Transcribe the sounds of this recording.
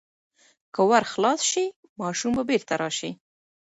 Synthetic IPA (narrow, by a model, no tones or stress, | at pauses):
kəwaɾxlɑsʃi | mɑʃumbabeɾt̪aɾɑʃi